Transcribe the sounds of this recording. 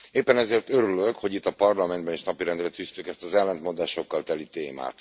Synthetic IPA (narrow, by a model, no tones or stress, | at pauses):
eːpːɛnɛzeːrt̪ø̞ɾyløkho̞ɟit̪ːɒpɒrlɒmɛnd̪bɛneːʃnɒpiɾɛnd̪rɛt̪yst̪ykɛst̪ɒzɛlːɛnt̪mo̞nd̪aːʃo̞kːɒlt̪ɛlit̪eːma̰ːt̪